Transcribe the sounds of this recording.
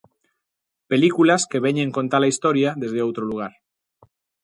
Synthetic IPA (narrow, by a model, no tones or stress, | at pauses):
pelikulaskeβ̞eɲẽŋko̞nt̪alaist̪oɾjaðezðeowt̪ɾoluɣ̞aɾ